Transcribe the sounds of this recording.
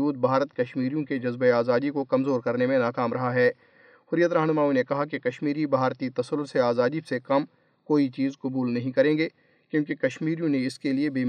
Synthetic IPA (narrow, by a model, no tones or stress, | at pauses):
uːd̪̚bʱaːɾət̪kɐʃmiːɾijõked͡ʒɐzbeaːzaːd̪ikokɐmzoːɾkɐɾnemẽnaːkaːmɾɐɦaɦɛː | hʊɾjət̪ɾɐɦnmaːũnekɐɦakekɐʃmiːɾibʱaːɾt̪it̪ɐsəɾʊɾseaːzaːd̪isekɐm | koːit͡ʃiːzqɐbuːlnɐɦĩkɐɾẽːɡeː | kjõːkekɐʃmiːɾijõneɪskeliebiː